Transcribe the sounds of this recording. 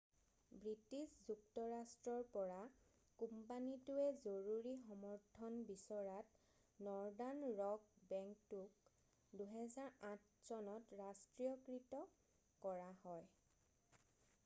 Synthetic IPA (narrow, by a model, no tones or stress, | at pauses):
bɹitiszuktɔɹastɹɔɹpɔɹa | kumpanitʊɛzoɹuɹixɔmɔɹtʰɔnbisɔɹat | nɔɹdanɹɔk̚bɛŋktuk̚ | duɦɛzaɹãt̚ʰ | sɔnɔtɹastɹiɔkɹitɔ | kɔɹahɔj